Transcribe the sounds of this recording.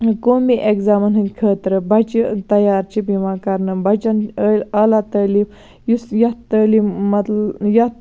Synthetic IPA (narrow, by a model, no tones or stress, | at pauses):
komiʔekzaːmɐnɦɨnʲkʰəːt̪ɾɨbɐt͡ʃit̪ɐjaːɾt͡ʃibimakɐɾnɨbɐt͡ʃɐnəlʲɐlat̪əːli | jusjɐəːlimɐt̪jɐt̪